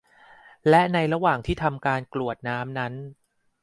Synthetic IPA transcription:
lɛ˦˥ʔna˧jɾa˧waː˨˩ŋt̪ʰiː˥˩t̪ʰa˧mkaː˧nklu˨˩ət̪̚naː˦˥mna˦˥n

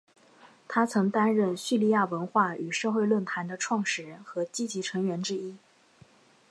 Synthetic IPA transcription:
t̪ʰa˥t͡sʰɤ˧˥ŋt̪a˥nɻə˥˧˩nɕy˥˩li˥˧ja˥˩wə˧˥nxwa˥˩y˨˩ʂɤ˥˧xwe˥˧ɪlwə˥˩nt̪ʰa˧˥nd̪ə˧ʈ͡ʂʰwɑ˥˧ŋʂɻ̩˧˥xɤ˧˥t͡ɕi˥t͡ɕi˧˥ʈ͡ʂʰɤ˧˥ŋɥɛ˧˥nʈ͡ʂɻ̩˥i˥

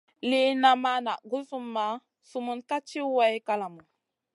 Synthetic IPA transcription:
li˦na˨ma˦na˨ɡu˦su˦mːa˦ | su˦mu˦nka˦t͡ʃi˦wa˦jka˦la˨mu˨

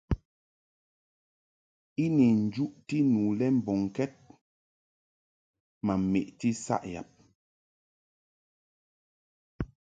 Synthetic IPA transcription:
i˦ni˨n̩˨d͡ʒu˦ʔti˦nuː˨lɛ˦m̩˨bɔ˨ŋ˨kɛ˦t̚ | ma˨m˨mḛ˨ʔti˦sa̰˦ʔja̰˨p̚

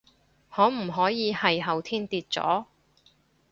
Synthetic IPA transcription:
hɔː˨˥m̩˨˩ɦɔː˨˥jiː˨˧hɐ˨jɦɐ˨˩wt̪ʰiː˥nt̪iː˧t̚t͡sɔ̰ː˨˥

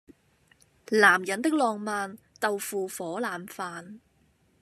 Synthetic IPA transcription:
laː˨˩mjɐ˨nt̪ɪ˥k̚lɔː˧ŋmaː˨˧n | t̪ɐ˨wfuː˨˧fɔː˨˥laː˨mfaː˨n

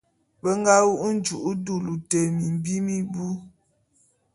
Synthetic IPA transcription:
bə˦ŋ˦ɡa˦wu˦ʔn̩˦d͡ʒu˨ʔu˦du˦lu˨te˨mi˨m˨bi˦mi˦bu˦

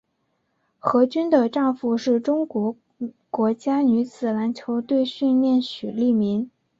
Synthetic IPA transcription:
xɤ˧˥t͡ɕy˥nd̪ə˨ʈ͡ʂɑ˥˧ŋfu˥˧ʂɻ̩˥˩ʈ͡ʂʊ˥ŋkwɔ˧˥ | kwɔ˧˥t͡ɕja˥ny˧˥t͡sʰɹ̩˨˩la˧˥nt͡ɕʰjo˧˥ʊt̪we˥˧ɪɕy˥˧nljɛ˥˩nɕy˨˩li˥˩mi˧˥n

